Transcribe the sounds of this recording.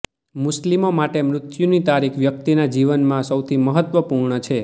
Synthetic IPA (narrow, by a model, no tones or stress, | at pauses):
mʊslimomaʈemɾʊt̪junit̪aɾikʰʋjək̚t̪inad͡ʒiʋənmãsəwt̪ʰiməɦət̪ʋəpuɾɳət͡ʃʰe